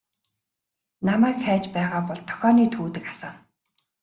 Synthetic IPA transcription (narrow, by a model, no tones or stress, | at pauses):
namæːkxæːt͡ɕpæːʁaːpɔɮt̪ʰɔ̥xʲɔːniːt̪ʰuːt̪ɘ̆kḁsaːn